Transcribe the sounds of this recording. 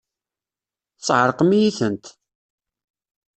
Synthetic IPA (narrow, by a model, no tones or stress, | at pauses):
t͡sːʕəɾˤqmijiθənt̪